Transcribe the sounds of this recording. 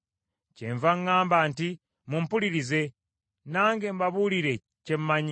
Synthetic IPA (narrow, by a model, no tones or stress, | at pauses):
ceɱvaŋːaːmbaːnti | mumpuliɾize̞ | naːŋɡe̞ːmbaβuliɾe̞ | cemmaɲi